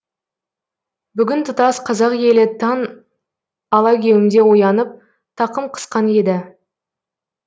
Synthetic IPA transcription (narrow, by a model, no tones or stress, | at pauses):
bʏɡʲɪnt̪ʰʊt̪ɑsqʰɑzɑqje̞lɪt̪ʰɑn | ɑlˠɑkʲʰe̞wɪmd̪e̞wojɑnəp̚ | t̪ʰɑqəmqʰə̥sqɑne̞d̪ɪ